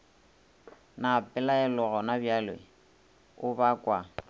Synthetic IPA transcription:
napʼɛlaɛlɔɣɔnabjalwɛ̰ | ʊbakʼwa

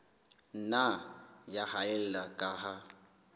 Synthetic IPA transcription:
n̩najahaɛl̩lakʼaha

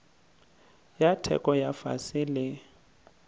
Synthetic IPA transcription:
jatʰɛ̰kʼɔjafa̰sɪlɪ

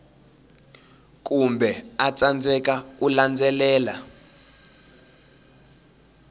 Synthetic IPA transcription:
k̬ʼumbʱɛat͡sand͡zʱɛk̬ak̬uland͡zɛlɛːla

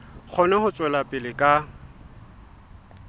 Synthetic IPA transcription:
k͡xʰɔnɛhʊt͡sʼwɛlapʼɪlɪkʼa

